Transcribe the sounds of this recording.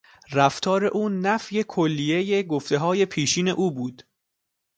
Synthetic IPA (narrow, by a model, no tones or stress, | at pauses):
ræft̪ʰɒːɾe̞̰ʔuːnæfje̞kʰolːije̞jeɡoft̪e̞ɦɒːje̞pʰiːʃiːne̞̰ʔuːbuːd̪̥